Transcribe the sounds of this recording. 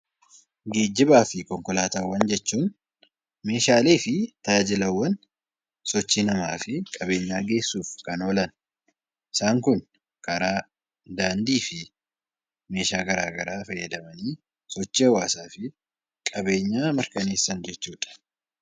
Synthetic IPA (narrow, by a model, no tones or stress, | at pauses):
ɡeːd͡ʒːɪbaːfɪkɔŋkɔlaːt̪awːɐnd͡ʒɛt͡ʃːuːn | me̞ːʃaːle̞ːfɪt̪ɐjad͡ʒɪlɐwːɐn | sɔt͡ʃːiːnɐmaːfɪkʼɐbe̞ːɲːaːɡe̞ːsːuːfkɐnoːlɐn | ʔɪsaːŋkʊn | kɐɾaː | d̪aːnd̪iːfɪ | me̞ːʃaːɡɐɾaːɡɐɾaːfɐjːɐd̪ɐmɐniː | sɔt͡ʃːɪhɐwaːsaːfɪ | kʼɐbe̞ːɲːaːmɐɾkɐne̞ːsːɐnd͡ʒɛt͡ʃːuːᶑɐ̥